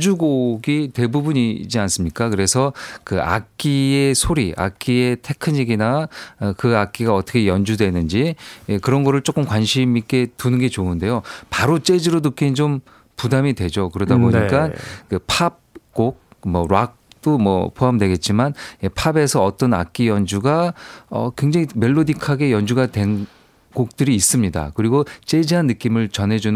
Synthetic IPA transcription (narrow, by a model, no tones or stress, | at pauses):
d͡ʑuɡoɡitwe̞bubuɲid͡ʑians͈ɯmɲik͈akɯɾe̞sʰʌkɯa̰k̚k͈ie̞sʰoɾiʔa̰k̚k͈ie̞tʰe̞kʰɯɲiɡinakɯak̚k͈iɡaʌt͈ʰʌkʰejʌnd͡ʑudwe̞nɯnd͡ʑijekɯɾʌnɡʌɾɯɭt͡ɕ͈ok͈ɯmkwanɕʰimik͈e̞tunɯnɡe̞t͡ɕoɯnde̞jopaɾot͡ɕ͈e̞d͡ʑiɾodukʰint͡ɕom | pudamidwe̞d͡ʑokɯɾʌdaboɲik͈ankɯpʰab̚k͈ok̚mʌɾwak̚t͈omʌ̰pʰoɦamdwe̞ɡe̞t̚t͡ɕ͈imanjepʰabe̞sʰʌːt͈ʌna̰k͈ijʌnd͡ʑuɡaʌ̰kwe̞ŋd͡ʑaŋime̞ɭːodikʰaɡe̞jʌnd͡ʑuɡadwe̞n | ɡok̚t͈ɯɾiːs͈ɯmɲida̰kɯɾiɡot͡ɕ͈e̞d͡ʑiɦanːɯk͈imɯɭt͡ɕʌnɦe̞d͡ʑun